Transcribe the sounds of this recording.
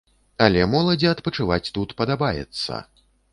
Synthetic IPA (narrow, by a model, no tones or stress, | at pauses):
ɐlʲɛmɔlˠɐd͡zʲiɐt̪pɐt͡ʂɨvat͡sʲt̪ut̪pɐd̪abajɛ̰t̪sːɐ̰